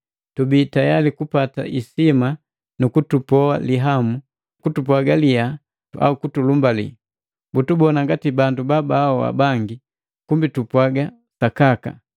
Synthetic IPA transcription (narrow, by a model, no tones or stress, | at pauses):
tubitajalikupata̰ʔisima | nukutupɔaliɦamu | kutupwaɡalia | a̰ukutulumbalḭ | butubɔnaŋɡatibandubabaːɔwa̰baŋɡi | kumbitupwaɡa | sakaka̰